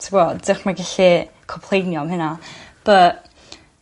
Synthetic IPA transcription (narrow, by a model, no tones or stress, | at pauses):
tʰəɡɔddəχmaɡaɬi | kʰɔpʰl̥ˠejnjɔmhɨnab̥əʔ